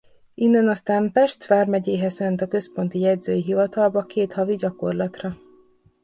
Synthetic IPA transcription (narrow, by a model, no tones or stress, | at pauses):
inːɛnɒst̪aːmpɛʃt̪faːrmɛɟeːɦɛzsɛnt̪ɒkø̞spo̞nt̪ijɛdzøːjiɦivɒt̪ɒlbɒkʰeːt̪hɒviɟɒko̞rlɒt̪rɒ